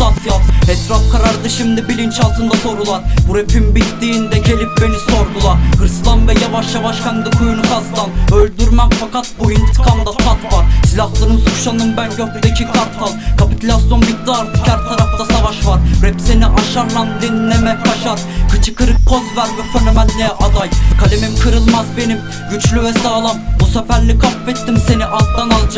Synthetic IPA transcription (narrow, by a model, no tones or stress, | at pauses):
asjat̪ɛt̪ɾafkʰaɾaɾd̪ɯʃimd̪ibilʲint͡ʃʰalˠt̪ʰɯnd̪aso̞ɾulˠaɾbuɾepimbit̪ːiːnd̪ɛɟe̞lʲip̚be̞niso̞ɾd̪ulˠaɾhɯɾslˠanvɛjavaʃjavaʃkʰanɯd̪ˠɯkʰujunukʰazd̪anølʲd̪yɾmɛkfakat̪̚buint̪ʰɯ̥kʰamd̪at̪ʰat̪vaɾsilʲahlˠaɾɯmsuʃanɯnbænɟøɾt̪ʰd̪ecʰikʰaɾt̪ʰːalˠkʰapit̪ʰulʲasijonbik̚d̪aːɾt̪ɨkʲʰæɾt̪ʰːaɾɑfd̪ɑsɑvɑʃvɑɾɾɛpseniʔɑʃɑɾnɑnd̪inlɛmɛkʰɑʃɑɾ | kʰɯt͡ʃʰɯ̥kʰɯɾɯk̚pʰozvæɾvɛfønomɛnlɛʔɑd̪ɑjkʰɑlʲemimkʰɯɾɯlˠmɑzbenim | ɡyt͡ʃlʲyvɛsaːlˠɑmbusɛfæɾlikʰɑfɛt̪ːimseniʔɑt̪ːɑnɑlˠd͡ʒ